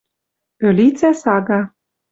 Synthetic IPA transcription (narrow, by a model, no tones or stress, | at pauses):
ølʲit͡sæsɑɡɑ